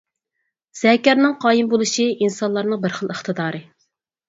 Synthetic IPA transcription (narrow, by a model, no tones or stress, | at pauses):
z̥ɛkʲɛɾnɨŋqʰɑːjimbolˠɨʃiʔinsɑnlˠɑɾnɨŋbəɾχəlˠəχt̪ʰɨd̪ɑːɾɨ